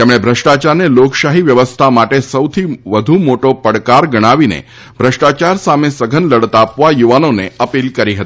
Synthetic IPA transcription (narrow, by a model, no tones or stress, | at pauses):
t̪emɽ̃ebʱɾəʃʈat͡ʃaɾnelokʃaɦiʋjəʋəst̪ʰamaʈesəʋt̪ʰiʋəd̪ʱumoʈopəɽkaɾɡəɽ̃aʋinḛ | bʱɾəʂʈat͡ʃaɾsamesəɡʱənləɽt̪apʋajuʋanoneəpilkəɾiɦət̪i̥